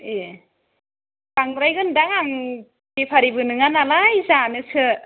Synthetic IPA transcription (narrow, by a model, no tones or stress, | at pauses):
e | kaŋɾajɡɯndaŋaŋ | kepʰaɾibɯnɯŋanalajzanɯsʰɯ